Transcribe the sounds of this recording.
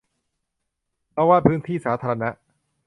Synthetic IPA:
pʰɾɔ˦˥waː˥˩pʰɯː˦˥nt̪ʰiː˥˩saː˩˦t̪ʰa˧ɾa˧na˦˥ʔ

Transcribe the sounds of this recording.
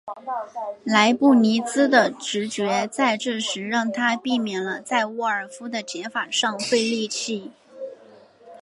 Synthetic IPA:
la˧˥ɪpu˥˩ni˧˥t͡sɹ̩˥d̪ə˨ʈ͡ʂɻ̩˧˥t͡ɕɥɛ˧˥t͡sa˥˧ɪʈ͡ʂɤ˥˩ʂɻ̩˧˥ɻɑ˥˩ŋt̪ʰa˥pi˥˩mjɛ˨˩nlə˦t͡sa˥˧ɪu˥˩ə˞˨˩fu˥d̪ə˨t͡ɕjɛ˧˥nfa˨˩ʂɑ˥˧ŋfwe˥˧ɪli˥˧t͡ɕʰi˥˩

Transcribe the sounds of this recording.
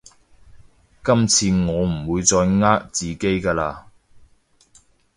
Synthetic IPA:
kɐ˥mt͡sʰiː˧ŋɔː˨˧m̩˨˩wuː˨˧jt͡sɔː˧jŋaː˥k̚t͡siː˨ke˥jkaː˧laː˧

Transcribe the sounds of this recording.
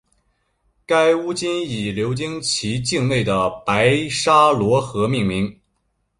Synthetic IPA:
ka˥ɪu˥t͡ɕi˥ni˨˩ljo˧˥ʊt͡ɕi˥ŋt͡ɕʰi˧˥t͡ɕi˥˧ŋle˥˩ɪd̪ə˩pa˧˥ɪʂa˥lwɔ˧˥xɤ˧˥mi˥˩ŋmi˧˥ŋ

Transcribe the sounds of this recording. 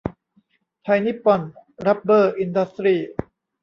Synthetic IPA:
t̪ʰa˧jni˦˥pːɔ˨˩nɾa˦˥p̚bɤː˥˩ʔi˧nda˦˥st̪ɾiː˧˩

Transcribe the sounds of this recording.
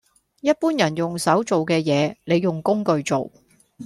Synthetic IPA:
jɐ˥t̚puː˥njɐ˨˩njʊ˨˩ŋsɐ˨˥wt͡so˨wkɛː˧jɛː˨˧le˨˧jːʊ˨ŋkʊ˥ŋkɵ˧ɥt͡so˨w

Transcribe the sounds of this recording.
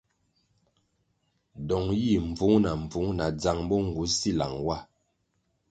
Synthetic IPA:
dɔ˨ŋji˦˨m˨b͡vu˨˦ŋna˨ɱ˨b͡vu˨˦ŋna˨d͡za˨ŋbɔ˦ŋ˨ɡu˨˦si˦˨la̰˨ŋwa˦˨

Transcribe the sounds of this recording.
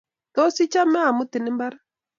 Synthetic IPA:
ka˦o˦si˦t͡ʃa˦mɛ˦a˨mʊ˦t̪ɪ˨nɪ˦mba˦ɾa˦

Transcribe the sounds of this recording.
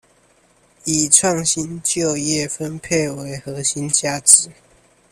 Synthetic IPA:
i˨˩ʈ͡ʂʰwɑ˥˨ŋɕi˦nt͡ɕjo˥˧ʊjɛ˥˨fə˦npʰe˥˨ɪwe˧˦ɪxɤ˨˦ɕi˦nt͡ɕja˥˩t͡s̩˨˦

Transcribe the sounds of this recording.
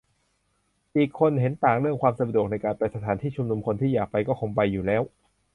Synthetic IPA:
ʔiː˨˩kʰːo˧nɦe˩˦nt̪aː˨˩ŋɾɯ˥˩əŋkʰwaː˧msa˧du˨˩k̚na˧jkaː˧npa˧jsa˧t̪ʰaː˩˦nt̪ʰiː˥˩t͡ɕʰu˧mnu˧mkʰo˧nt̪ʰiː˥˩jaː˨˩k̚pa˧jkɔː˥˩kʰo˧ŋpa˧jːuː˨˩lɛː˦˥w

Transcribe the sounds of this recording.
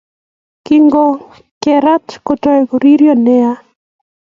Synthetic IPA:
kiŋɡɔ | kɛ˨ɾa˦tkɔ˨tɔ˦kɔɾi˦ɾjɔnɛ˦a˦

